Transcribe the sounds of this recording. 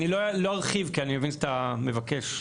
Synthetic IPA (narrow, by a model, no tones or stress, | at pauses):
niloloaʁχivkianimevinʃatame̞vakeʃ